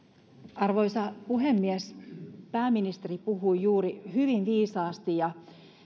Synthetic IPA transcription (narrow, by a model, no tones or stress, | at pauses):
ɑrʋo̞jsɑpuɦe̞mːiespæːmːinist̪e̞ɾipuɦujjuːɾihyʋinʋiːsɑːst̪ijɑ